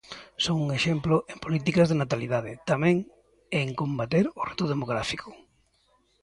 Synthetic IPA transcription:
soŋuŋeʃɛmplʊʔempolit̪̬ikazðenat̪alið̞að̞ɪt̪amɛ̃ŋ | eŋkombat̪eɾʊret̪ʊðemoɣɾafikʰʊ̥

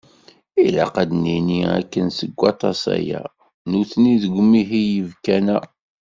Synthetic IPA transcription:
ilaqæd̪niniæ̰kːənsəɡʷːɑt̪ˤɑsæ̰jæ̰ | nuθniðəɡʷmiɦijəvkænæ

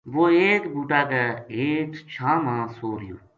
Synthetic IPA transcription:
ʋoːeːkbuːʈaːkəeːkt͡ʃʰãːmãːsoːɾɪjo̰ː

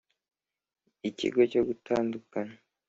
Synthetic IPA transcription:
icḭɡo̞co̞ɡutʰaːndukana

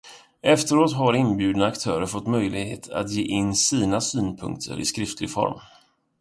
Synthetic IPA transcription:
ɛft̪əɾoːt̪ɦaɾɪnbjʉ̟ːd̪nakt̪ʰœːɾəɾfɔt̪ːmœjlɪɡhḛːt̪ʰa̰t̪jeːʔɪnːsiːnasyːnpʰɵ̰ŋk̚t̪ʰə̰ɾʔɪ̰skɾɪft̪ʰlɪɡfɔ̰ɾm

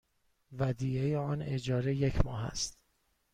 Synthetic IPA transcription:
væd̪iːejeɒːne̞d͡ʒɒːɾeje̞cʰmɒːɦæ̰st̪

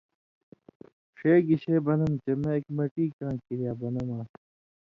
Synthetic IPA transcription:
ʂeːɡiɕeːbɐnɐmt͡ɕemeekmɐʈiːkãːkiɾijaːbɐnɐmaː

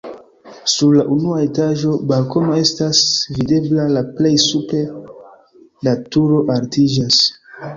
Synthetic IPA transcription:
suɾlaʔunuae̞taʒo̞balko̞no̞e̞stasvide̞blalaple̞jsupe̞ | datuɾo̞ʔaɾtid͡ʒas

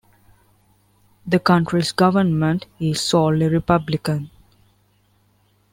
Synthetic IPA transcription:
d̪əkʌ̃ɳʈɾisɡʌʋənmə̃ɳʈizsɔːliɾipʌblɪkə̃n

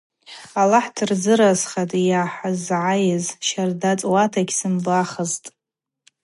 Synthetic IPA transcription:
alaħdʰɨrd͡zɨɾasχatʼjaħazʕajɪzʃardat͡sʼwatʰaɡʲsɨmbaχəztʼ

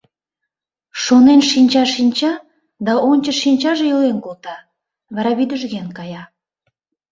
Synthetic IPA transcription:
ʃonenʃinʲt͡ɕɑʃinʲt͡ɕɑ | d̪ɑʔonʲt͡ɕəʃinʲt͡ɕɑʒejolenkolˠt̪ɑ | βɑɾɑβid̪əʒɣenkɑjɑ

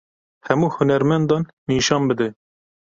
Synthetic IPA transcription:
hɛmuːhʊnɛɾmɛnd̪ɑnːiːʃɑːnbɨd̪ɛ

